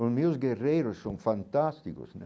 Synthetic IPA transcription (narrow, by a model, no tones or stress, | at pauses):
ʊzmiʊzɡerejɾʊsːõŋfant̪ast̪ikʊ̰sn